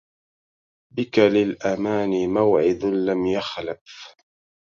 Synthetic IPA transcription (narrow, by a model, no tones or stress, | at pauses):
bɪkalɪlʔamaːnɪmawʕɪd̪lamjaxlaf